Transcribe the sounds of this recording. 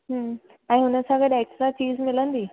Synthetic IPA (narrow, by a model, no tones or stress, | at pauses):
ɦə | ãñĩɦunəsaɡəd̪eksʈɾat͡ɕiːzmɪlənd̪iː